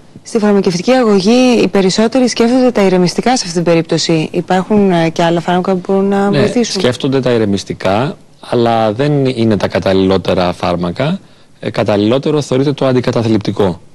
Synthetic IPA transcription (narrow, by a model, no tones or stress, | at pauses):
st̪ifɐɾmɐceft̪iciɐɣo̞ʝiːpe̞ɾiso̞t̪e̞ɾisce̞ft̪o̞nd̪et̪ɐiɾe̞mist̪ikɐsɐft̪et̪ibe̞ɾip̚t̪o̞siipɐɾxunce̞ɐlɐfɐɾmɐkɐpubo̞ɾunːɐvneɐlθisusce̞ft̪o̞nd̪e̞t̪ɐiɾe̞mist̪ikɐ | ɐlɐðe̞nine̞t̪ɐkɐt̪ɐlilo̞t̪e̞ɾɐfɐɾmɐkɐ | kɐt̪ɐlilo̞t̪e̞ɾo̞θe̞oɾit̪e̞t̪o̞ɐnd̪ikɐt̪ɐθlipt̪iko̞